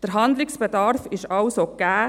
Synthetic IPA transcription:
d̥əɾɦɑnd̪lɪksb̥ɛdɑɾfɪʃɑwsoɡ̥æː

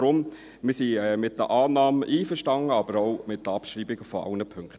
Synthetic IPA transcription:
ɾʊm | mɪːsiɛmɪt̚dəʔɑːnɑːməʔiːfəɾʃtɑŋəɑb̥əɾɔʊmɪtdəɑpʃɾiːbɪɡəfɔɑ̰lnəpʰʏŋkχt

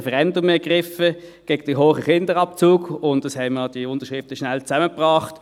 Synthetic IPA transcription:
fɛʁɛndʊmɛɐɡ̥ʁɪfəɡ̥eːɡəd̥ɪɦoːχəχɪndəʁɑp̚t͡suːɡʊntd̥ɑshɛɪməd̥iʊntəʃʁɪftəʃnælt͡sæməpʁɑːχt

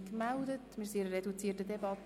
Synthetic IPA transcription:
kmældətmɪɾsiɪɾəɾedut͡siːtədɛbɑt

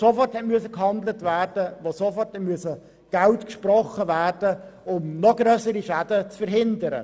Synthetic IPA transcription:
sofɔrthɛtmyəsəkhɑndlətvæːrdəʋosofɔrtɛmyəsə | ɡ̥altkʃprɔχəvæːrd̥əʊmnɔɡ̥ɾøːsəɾiʃæd̥ət͡sfəɾɦɪndəɾə̰

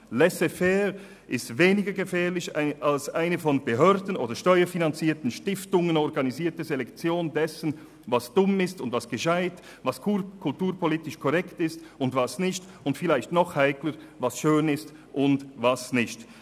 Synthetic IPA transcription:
lɛsefɛːɾ | ʔɪstveːnɪɡɐɡəfɛːlɪçaalsʔa̰ɪnəfɔnbəɦœɐdn̩ʔo̰ːdəʃtɔʏɐfinant͡siːɐtn̩ʃtɪftʊŋənɔɾɡaniziːɐtəzelɛkt͡sjoːndɛsən | vasd̥ʊmɪstʊntvasɡ̥əʃaɪt | vaskʰukʰʊltuːɾpʰɔliːtɪʃkʰɔʁɛktɪstʊndvasnɪçt | ʊntfɪlaɪçtnɔχhaɪkləɾvasʃøːnɪst | ʔʊndvasnɪçt

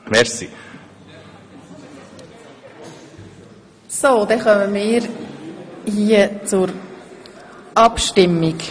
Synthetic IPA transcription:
mɛɾsi | soːd̪ɛχœməmɪːɾ | hiːət͡sʊɾ | ʔɑpʃtɪmːik

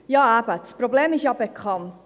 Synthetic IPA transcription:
jɑːæbədsprobleːmɪʃjɑbekʰɑnt

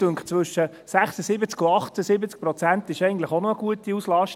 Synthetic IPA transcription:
øŋkχt͡sʋɵʃə | sæχsəsɪbət͡skʊɑχtəsɪbət͡sk̚prɔt͡sæntɪʃɛɪɡn̩tləχonoəɡuətiuslɑʃt

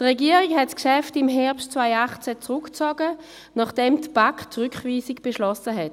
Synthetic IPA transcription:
d̥ʁɛɡiːəʁikhɛtskʃɛftɪmɦɛɐpʃtt͡svaɪaχt͡sɛt͡sʁʊkt͡sɔɡə | naχd̥ɛmtb̥aktʁʏkχviːsikb̥eʃlɔsəɦɛt

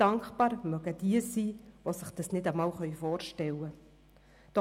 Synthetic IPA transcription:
d̥ɑŋkχpɑːɾmœɡəd̥iəsiːʋosəχd̥ɑsnɪdəmɑːwχœʏfɔːɾʃtɛlə | d̥ɔ

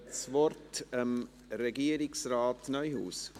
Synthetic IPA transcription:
t͡svɔrtəm | ɾɛɡiəɾɪksraːtnœʏhṵːs

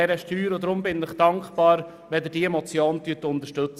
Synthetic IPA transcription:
ɛɾəʃtyːɾɔdɾʊmbɪnɪχd̥ɑŋkχpɑːɾ | ʋɛd̪əd̥iːɛmɔt͡sjoːnt̪yət̪ʊnt̪əɾʃtɵt͡s

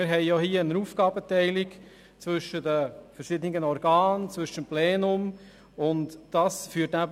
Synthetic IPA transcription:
ɪɾɦɛɪjohiːəənəɾuːfɡ̥ɑːbətɛɪlɪɡ | t͡sʋɵʃədəfəɾʃɪdənɪiɡənɔɾɡ̥ɑːnt͡svʏʃəmplɛːnʊm | ʊntd̥ɑːsfyːətnæb

